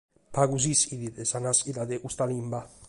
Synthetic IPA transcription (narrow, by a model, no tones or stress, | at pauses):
paɡuzisid̪id̪esanasilad̪eʔust̪alimba